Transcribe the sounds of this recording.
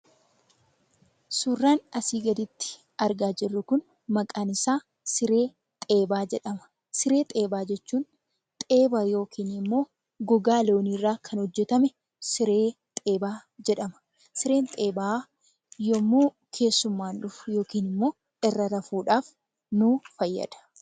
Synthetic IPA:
suːrːaːnɐsiːɡɐd̪ɪt̪ːɪ̥ | ɐɾɡaːd͡ʒɪrːʊkʊn | mɐkʼaːnɪsaː | sɪɾe̞ː | t̪ʼeːbaːd͡ʒɛᶑɐmɐ̥ | sɪɾe̞ːt̪ʼe̞ːbaːd͡ʒɛt͡ʃːuːn | t̪ʼeːbajo̞ːkiːnɪmːo̞ː | ɡɔɡaːlo̞ːniːrːaːkʰɐnhɔd͡ʒːɛt̪ɐmɛ | sɪɾe̞ː | t̪ʼe̞ːbaːd͡ʒɛᶑɐmɐ̥ | sɪɾe̞ːnt̪ʼeːbaː | jɔmːoː | kʰe̞ːsːʊmːaːnᶑʊfʊ̥jo̞ːkiːnɪmːo̞ː | ɪrːɐɾɐfuːᶑaːf | nʊfɐjːɐ̰d̪ɐ̥

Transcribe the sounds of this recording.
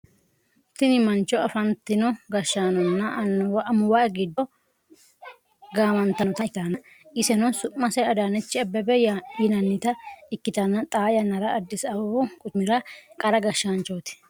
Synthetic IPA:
t̪ɪnɪmɐnt͡ʃːɔɐfɐnt̪ːɪnɔɡɐʃːaːnɔnːɐʔɐnːwʔɐmʊwaɛɡɪd̪ɔ | ɡaːmɐnt̪ːɐnɔt̪ɐɪt̪anɐ | ɪsɛnɔsʊʔːɐsɛɐd̪aːnɛt͡ʃːɪɐbːɛbɛjajɪnɐnːɪt̪ɐɪkːɪt̪ɐnɐt̪ʼaːjɐnːɐɾɐːd̪ːɪsɐwɔkʼʊt͡ʃmɪɾɐkʼɐɾɐɡɐʃːant͡ʃoːt̪ɪ̥

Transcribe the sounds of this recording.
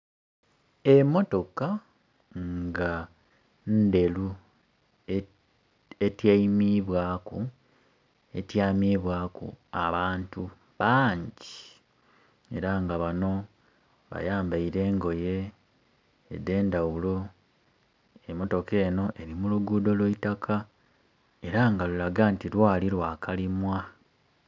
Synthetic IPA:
e̞mo̞to̞ka | ŋɡa | nde̞lu | etjaimiβwaːku | e̞tjaːmiβwaːkṵa̰βaːntu | βaːɲɟi | e̞̰ɾaŋɡaβano̞ | βa̰jaːmbaiɾe̞ːŋɡo̞je̞ | de̞ːndawulo̞ | emo̞to̞ke̞ːno̞ʔe̞ɾimuluɡuːdo̞lweitakʰa | e̞ɾaŋɡalulaɡantilwaːlilwaːkalimwa

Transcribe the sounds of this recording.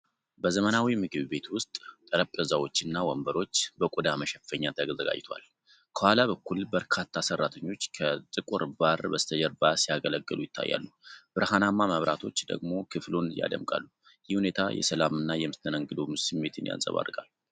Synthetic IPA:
bəzəmənawimɨɡɨβbe̞t̪wʊst̪ʼt̪ʼəɾəpʼəzawot͡ʃːɨnːawɔmbəɾo̞t͡ʃːbəkʼud̪aməʃɛffəɲːat̪ʰəɡzəɡa̰d͡ʒt̪ʰa̰l | kʰəhalaβəkːulbəɾkʰat̪ʰːasərːat̪ʰəɲːo̞t͡ʃːkʰət̪ʼɨkʼuɾbaɾbəst̪ʰəd͡ʒəɾbasijaɡələɡːɨlujɪt̪ʰːa̰jːa̰lːub̥ɨɾhanamːaməβɾʔat̪ʰo̞t͡ʃːd̪ə̰ɡmo̞kʰɨflonja̰d̪ə̰mkʼa̰lːu | jɪhune̞t̪ʰajɛ̰səlamɨnːajɛmɨst̪ʰːənəŋɡɨd̪omsɨmːe̞t̪ʰɨnja̰nsʼə̰βa̰rːɨɡʼa̰lːu

